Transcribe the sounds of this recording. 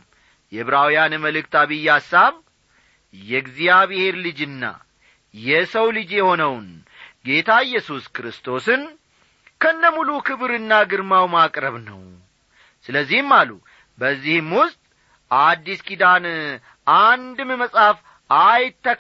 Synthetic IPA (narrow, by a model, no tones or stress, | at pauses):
jɛβɾawijanməlɨk̚t̪aβɨjːasːaβ | jɛɡzijaβɨhe̞ɾlɨd͡ʒɨnːa̰ | jɛsəwlɨd͡ʒjɛho̞nəwn | ɡe̞t̪ʰajːɛsuskɾɨst̪ʰo̞sɨn | kʰənːəmulukʰɨβɾɨnːaɡɨɾmawmakʼɾəβnəw | sɨləzːihmːalu | bəzːihɨmwʊst̪ʼ | ʔad̪ːiskʼid̪an | and̪ɨmɨməsʼhaf | ajt̪ʰːək